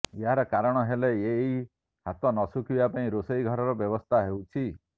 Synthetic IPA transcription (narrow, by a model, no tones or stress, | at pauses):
eɦaɾɔkaɾɔɽ̃ɔɦeleei | ɦat̪ɔnɔsukibapaĩɾosejɡʱɔɾɔɾɔbjɔbɔst̪ʰaɦewt͡ʃʰi